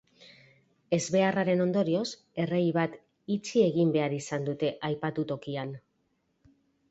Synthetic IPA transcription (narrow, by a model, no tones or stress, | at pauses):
e̞zβe̞araɾe̞no̞nd̪o̞ɾio̞s | e̞re̞jβat̪ | it͡sie̞ɣimbe̞aɾisand̪ut̪e̞ʔajpat̪ut̪o̞kian